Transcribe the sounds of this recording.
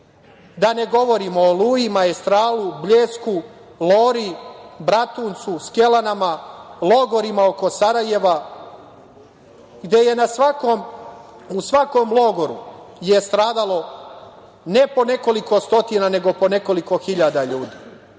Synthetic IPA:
d̪ane̞ɡo̞ʋo̞ɾimo̞ːluːjimaest̪ɾaːlubʎeːsku | loːɾibɾat̪unt̪suske̞lanamalˠo̞ɡo̞ɾimao̞ko̞saɾaje̞ʋa | ɡd̪e̞je̞nasʋakom | usʋako̞mlˠo̞ɡo̞ɾuje̞st̪ɾaːd̪alˠo̞ | ne̞po̞ne̞ko̞liko̞st̪o̞t̪inane̞ɡo̞po̞ne̞ko̞liko̞xiʎad̪aʎuːd̪iː

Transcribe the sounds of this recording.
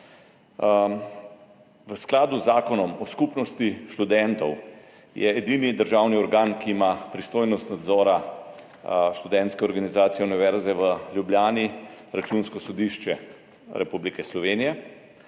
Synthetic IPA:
ʋəsklaːd̪uzːaːkɔnɔmɔskupnɔst̪iʃt̪ud̪ɛnt̪ɔw | jɛ̰ːd̪inid̪əɾʒawniɔɾɡaːnkiːmapɾist̪oːjnɔst̪nad̪zɔːɾa | ʃt̪ud̪ɛnt̪skɛɔɾɡanizaːt̪sijɛuniʋɛɾzɛʋəljubljaːniɾat͡ʃunskɔsɔd̪iʃt͡ʃɛ | ɾɛpublikɛslɔʋeːnijɛ

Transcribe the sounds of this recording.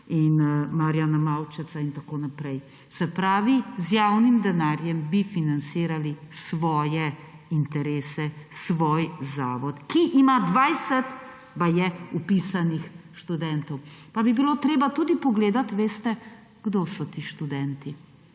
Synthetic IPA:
inmaɾjaːnamawt͡ʃɛsaint̪akoːnapɾɛj | sɛpɾaːʋizjawnimd̪ɛnaːɾjɛmbifinansiːɾalisʋɔːjɛint̪ɛɾeːsɛsʋoːjzaːʋɔt̪kiʔimad̪ʋajsɛt̪ | bajɛupisanixʃt̪ud̪ɛnt̪ɔwpabibilot̪ɾeːbat̪uːd̪ipɔɡleːd̪at̪ʋeːst̪ɛ | ɡ̥d̪osɔt̪iːʃt̪ud̪ɛnt̪i

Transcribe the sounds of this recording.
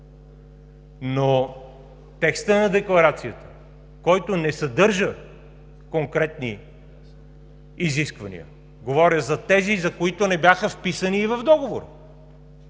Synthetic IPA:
no | t̪ɛkst̪ənɐd̪ɛklˠɐɾat̪sijət̪ə̥ | kɔjt̪onɛsɐd̪ɤɾʒə | koŋkɾɛt̪ni | iziskvɐnḭə̰ | ɡovɔɾʲjəzɐt̪ɛzizɐkoit̪onɛbjaxəfpisəniːvɐvd̪ɔɡovoɾə

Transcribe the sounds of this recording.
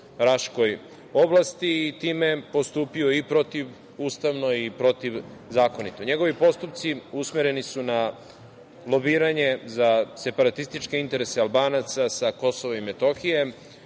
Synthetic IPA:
ɾaʃko̞j | oblˠast̪iːt̪iːmepo̞st̪uːpio̞ipɾo̞t̪iʋ | uːst̪aʋnoipɾo̞t̪iʋzaːko̞nit̪oɲe̞ɡo̞ʋipo̞st̪up̚t̪siusmeɾe̞nisuna | lˠo̞biːɾaɲezase̞paɾat̪ist̪it͡ʃkeint̪e̞ɾe̞sealˠbaːnat̪sasako̞soʋoimet̪o̞xije̞

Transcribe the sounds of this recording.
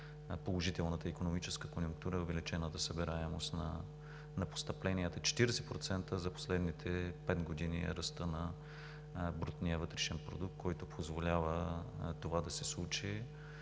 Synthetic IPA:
polˠoʒit̪ɛlˠnət̪əikonomit͡ʃɛskə̥konʲjʊŋk̚t̪uɾəɛovɛlit͡ʃɛnət̪ɐsəbɛɾaɛmo̰st̪nɐ̰ | nɐpo̥st̪ɐplɛnijət̪ət͡ʃɛ̥t̪iɾɛsɛpɾot̪sɛnt̪əzɐpo̥slɛd̪nit̪ʰɛpɛd̪ɡod̪iniɛ̰ɾɐst̪ənɐ | bɾut̪niəvɤt̪ɾɛʃɛnpɾo̰d̪uk̚t̪̚kʰɔjt̪ʊpʰozvolʲavət̪ovad̪ɐsɛslˠut͡ʃi

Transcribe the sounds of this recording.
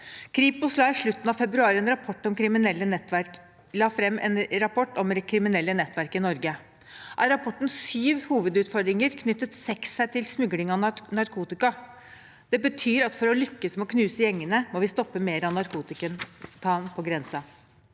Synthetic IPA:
kʰɾiːpʊslɑːɪʂɭʉt̪ːnɑʋfɛbɾʉɑːɾɛnɾɑpʰɔʈːɔmkʰɾɪmɪnɛlːənɛt̪ːʋæɾk | lɑːfɾɛmːʔɛ̰nɾɑpʰɔʈːɔmkʰɾɪmɪnɛlːənɛt̪ːʋæɾkɪnɔɾɡə | ʔæɾɑpʰɔʈːn̩syːʋhuːʋəd̪ʉːt̪fɔd̪ɾɪŋəɾkʰnʏt̪ːət̪sɛksːæɪt̪ʰɪlsmʉɡlɪŋɑnɑɾkʰuːt̪ɪkɑ | d̪̥ɛbət̪ʰyːɾɑt̪fɔɾɔlʏkːəsmɛɔkʰnʉːsəjɛŋːənəmɔʋɪst̪ɔpːəmeːɾəɑnɑɾkʰuːt̪ɪkənt̪ʰɑːnpʰɔɡɾɛnsɑ

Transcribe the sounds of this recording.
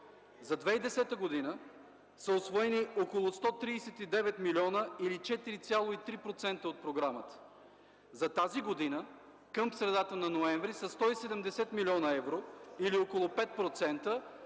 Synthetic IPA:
zɐd̪vɛid̪ɛsɛt̪əɡod̪inə | səosvɔɛniokolˠost̪ɔt̪ɾiːsɛt̪id̪ɛvɛt̪milʲiɔnəilit͡ʃɛt̪iɾit̪sʲjalˠoit̪ɾipɾot̪sɛnt̪əot̪̚pɾoɡɾamət̪ə̥ | zɐt̪aziɡod̪inə | kɤmsɾɛd̪at̪ənɐnoɛɱvɾisɐst̪ɔisɛd̪ɛmd̪ɛsɛt̪milʲiɔnəɛvɾoiliokolˠopɛt̪̚pɾot̪sɛnt̪ə

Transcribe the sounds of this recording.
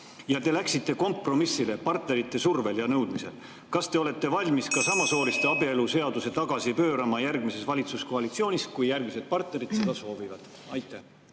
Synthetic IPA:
jɑt̪e̞læksit̪ˑːe̞ko̞mpro̞misːile̞pɑrt̪neɾit̪ːe̞surve̞ljɑnɤwd̪̥mise̞̰l | kɑst̪e̞o̞le̞t̪ˑːe̞vɑlʲmiskɑsɑmɑso̞ːlist̪eɑbie̞luse̞ɑd̪use̞t̪ɑɡ̥ɑsipø̞ːɾɑmɑjærɡmise̞svɑlʲit̪susko̞ɑlit̪sio̞ːnʲiskujjærɡmise̞d̪̚pɑrt̪ne̞ɾidt̪se̞d̪̥ɑso̞ːvivɑd̪̥ | ɑjt̪ːˑæ

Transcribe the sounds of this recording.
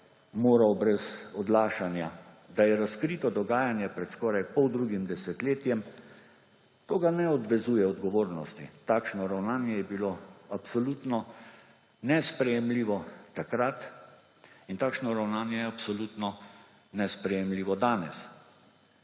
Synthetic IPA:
moːɾawbɾɛzɔd̪laːʃanja | d̪ajɛɾaskɾiːt̪ɔd̪ɔɡaːjanjɛpɾɛt̪skɔːɾajpɔwd̪ɾuːɡimd̪ɛsɛt̪leːt̪jɛm | t̪oːɡanɛɔd̪ʋɛzuːjɛɔd̪ɡɔʋoːɾnɔst̪ḭt̪aːkʃnɔɾawnaːnjɛjɛbiloːapsɔlut̪nɔ | nɛspɾɛjɛmliːʋɔt̪akɾat̪ | int̪aːkʃnɔɾawnaːnjɛjɛapsɔlut̪nɔ | nɛspɾɛjɛmliːʋɔd̪aːnɛs

